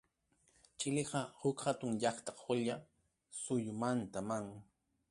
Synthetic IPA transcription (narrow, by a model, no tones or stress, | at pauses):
t͡ʃɪlɪɢɑhʊkhat̪ʊŋʎɑχt̪ɑχʊʎa | sʊjʊmant̪amaŋ